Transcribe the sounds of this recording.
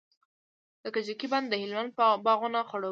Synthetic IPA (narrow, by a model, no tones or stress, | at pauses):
d̪əkat͡ʃikiband̪ːəhɪlmand̪̚bɑɣʊnaxʊɽo